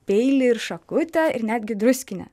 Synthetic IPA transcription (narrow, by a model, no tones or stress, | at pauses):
pʲɛɪlʲɪɪɾʃɐkʊt̪ʲɛɪ̰ɾnʲæːd̪ʲɡʲɪd̪ɾʊsʲkʲɪnʲɛ̰